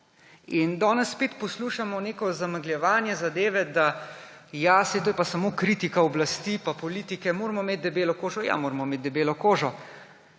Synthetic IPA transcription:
ind̪ɔːnɛsːpeːt̪pɔsluʃamɔneːkɔzamaɡljɛʋaːnjɛzad̪eːʋɛd̪ajasɛt̪oːjɛpasamoːkɾiːt̪ikaɔblast̪ipapɔliːt̪ikɛmoːɾmɔmeːt̪̚d̪ɛbeːlɔkoːʒɔja̰moːɾmɔmeːt̪d̪ɛbeːlɔkoːʒɔ

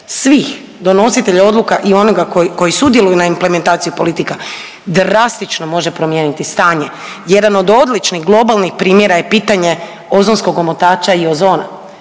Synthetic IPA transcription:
sʋix | d̪o̞no̞sit̪e̞ʎao̞d̪lˠukaʔio̞noɡakoko̞jisud̪jelujunaimple̞me̞nt̪aːt̪sijupo̞lit̪ika | d̪ɾast̪it͡ʃno̞mo̞ʒepɾo̞mjeːnit̪ist̪aːɲe | jed̪ano̞d̪o̞d̪lit͡ʃniɣɡlˠo̞balnixpɾiːmjeɾaje̞piːt̪aɲe̞ | o̞zonsko̞ɡo̞mot̪aːt͡ʃaio̞zo̞ːna̰

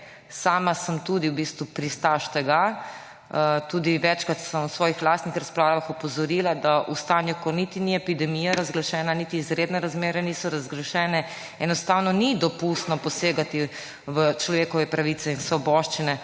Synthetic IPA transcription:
saːmasəmt̪ud̪iwbiːst̪ʋupɾist̪aʃt̪ɛɡa | t̪uːd̪iʋɛt͡ʃkat̪səmwsʋɔːjixlaːst̪nixɾaspɾaʋaxɔpɔzɔɾilad̪aʔust̪anjukɔnit̪iniɛpid̪ɛmijaɾazɡlaʃɛːnanit̪iːzɾed̪nɛɾazmeːɾɛnisɔɾazɡlaʃɛːnɛ | ɛnɔst̪awnɔnid̪ɔpust̪nɔpɔseːɡat̪i | ʋət͡ʃlɔʋeːkɔʋɛpɾaʋit̪sɛinsʋɔbɔːʃt͡ʃinɛ

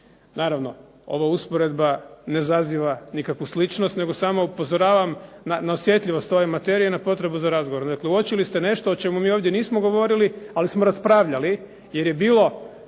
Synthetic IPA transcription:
naːɾaʋno̞ | o̞̰ʋauspoɾe̞d̪bane̞zaziʋanikakʋuslit͡ʃnost̪ne̞ɡo̞saːmoupo̞zoɾaːʋamnanaosʋje̞t̪ʎʲiʋo̞st̪o̞ʋe̞mat̪e̞ɾienapo̞t̪ɾe̞buzaɾazɡoʋo̞ɾd̪akleuot͡ʃilist̪e̞ne̞ʃt̪o̞ot͡ʃe̞mumiːo̞ːʋd̪je̞niːsmoɡo̞ʋo̞ɾilialismoɾaspɾaʋʎali | je̞ɾje̞biːlˠo̞

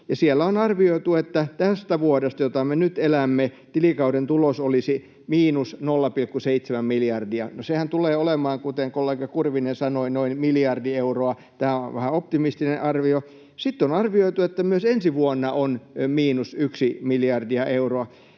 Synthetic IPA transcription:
jɑsielːæonɑrʋioit̪uet̪ːæt̪æst̪æʋuodest̪ɑjot̪ɑmenyt̪elæmːe | t̪ilikɑudent̪ulosolisi | miːnusnolːɑpilkːuseit̪semæmmilijɑrdiɑ̰nosehænt̪uleːolemɑːŋkut̪eŋkolːeɡɑkurʋinensɑnoinoinmilijɑrdieuroɑ | t̪æːo̰ʋæhæop̚t̪imist̪ineʔɑrʋio | sit̪ːonɑrʋioit̪uet̪ːæmyøsensiʋuonːɑʔonmiːnusyksimiljɑrdiɑʔeuroɑ

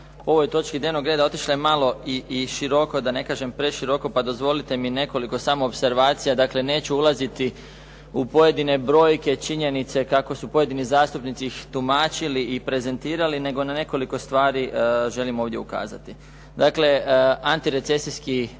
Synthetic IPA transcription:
poo̞ʋo̞jt̪o̞t͡ʃkid̪ɲenoɡɾed̪ao̞t̪iʃlaemalo̞iːʃiɾo̞ko̞d̪ane̞kaːʒe̞mpɾe̞ʃiɾo̞ko̞pad̪o̞zʋo̞lit̪e̞mine̞ko̞liko̞samoopse̞ɾʋaːt̪sijad̪akle̞ne̞ːt͡ɕuulˠazit̪i | upo̞je̞d̪ine̞bɾo̞jke̞t͡ʃiɲe̞nit̪se̞kako̞supo̞je̞d̪inizaːst̪upnit̪siixt̪umaːt͡ʃiliipɾe̞ze̞nt̪iːɾaline̞ɡo̞nane̞ko̞liko̞st̪ʋaːɾiʒe̞limo̞ːʋd̪ʲje̞uka̰ːza̰t̪i | d̪akle̞ant̪iɾe̞t̪se̞siski

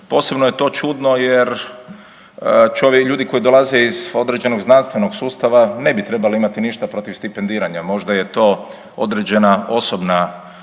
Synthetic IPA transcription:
po̞ːse̞bnoje̞t̪o̞ːt͡ʃud̪no̞jeɾ | t͡ʃoʋʎuːd̪iko̞jid̪o̞lˠaze̞izo̞d̪ɾed͡ʑe̞no̞ɡznanst̪ʋe̞no̞ɡsuːst̪aʋane̞bit̪ɾebaloimat̪iniʃt̪apɾo̞t̪iʋst̪ipend̪iːɾaɲamo̞ʒd̪ajet̪o̞ː | o̰d̪ɾed͡ʑe̞nao̞so̞bna

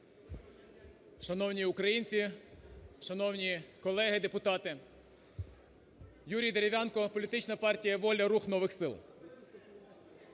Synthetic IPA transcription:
ʃɐnɔwnʲiʊkɾɐjinʲt͡sʲi | ʃɐnɔwnʲikɔlˠɛɦɪd̪epʊt̪ɑt̪ɪ | juɾʲijd̪eɾʲeʋʲjɑnkɔpɔlʲit̪ɪt͡ʃnɐpɑrtʲijɐʋɔlʲɐɾuxnɔʋɪxsɪ̰lˠ

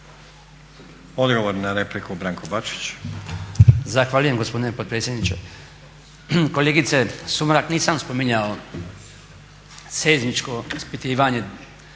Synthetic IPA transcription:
od̪ɡoʋoɾnaɾeplikubɾaːŋkʰobat͡ʃi̥t͡ɕ | zaxʋaːʎuje̞mɡo̞spo̞d̪inepod̪̚pɾeːtsʲje̞d̪nit͡ʃe̞̰ | koleːɡit̪sesumɾakniːsamspomiɲao | seːznit͡ʃko̞ispit̪iːʋaɲe̞

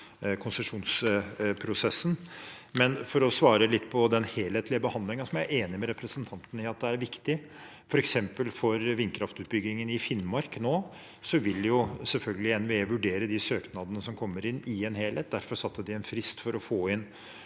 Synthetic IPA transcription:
kʰʊnsəʂuːnspʰɾʊsɛsːn̩ | mɛnfɔɾɔsʋɑːɾəlɪt̪ːpʰɔd̪ɛnheːlheːt̪ʰlɪəbəhɑnd̪lɪŋɑsɔmjææeːnɪmɛɾɛpɾəsənt̪ʰɑnt̪ənɪɑt̪̚d̪ɛæɾʋɪkt̪ɪ | fɔɾɛksɛmpəlfɔɾʋɪnkʰɾɑft̪ʉːt̪̚bʏɡɪŋənɪfɪnmɑɾknoː | sɔʋɪljʊsɛlfœlɡəlɪɛnʋeːʋʉɖeːɾəd̪ɪsøːknɑd̪ənəsɔmkʰɔmːəɾɪnɪɛnheːlheːt̪̚d̪æɾfɔɾʂɑt̪ːəɖɪɛnfɾɪst̪fɔɾɔfoːɪn

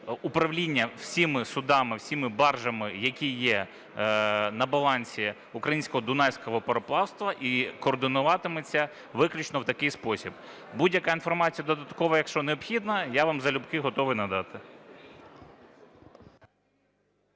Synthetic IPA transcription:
ʊpɾɐʋlʲinʲːɐw̥sʲimɪsʊd̪ɑmɪwsʲimɪbɑrʒɐmɪjɐkʲijɛ | nɐbɐlˠɑnʲsʲi | ʊkɾɐjinʲsʲkɔɦɔd̪ʊnɛsʲkɔɦɔpɔɾɔplˠɑwst̪ʋɐʔikɔːrd̪ɪnʊʋɑt̪ɪmɪt͡sʲːɐ | ʋɪklʲʊt͡ʃnɔwt̪ɐkɪjspɔsʲib | budʲjɐkɑinfɔrmɑt͡sʲijɐd̪ɔd̪ɐt̪kɔʋɐjɐkʃt͡ʃɔneɔbxʲid̪nɐjaʋɑmzɐlʲʊbkɪɦɔt̪ɔʋɪjnɐd̪ɑt̪ɪ

